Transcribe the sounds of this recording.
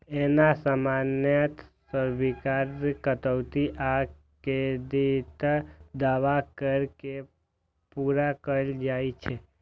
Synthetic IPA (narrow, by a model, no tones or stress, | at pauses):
enasamanjət̪ | səɾʋikaɾkət̪əwt̪iʔa | ked̪it̪d̪aʋakəɾke | puɾakəld͡ʒajt͡ʃʰe